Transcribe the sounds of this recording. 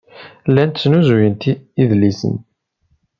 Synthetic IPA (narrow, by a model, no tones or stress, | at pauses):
lːænt̪t͡sːnuzujənt̪iiðlisə̰n